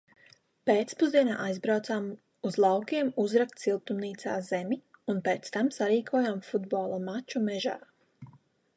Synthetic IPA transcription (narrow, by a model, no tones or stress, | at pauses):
peːt̪spuzd̪iɛna̰ːʔajzbɾawt̪saːm | uzlˠɑwkʲiɛmuzɾakt̪silˠt̪umniːt̪saːzemʲiunpeːt̪st̪amsaɾiːkʰuɔjamfud̪bɔːlˠamat͡ʃumɛʒa̰ː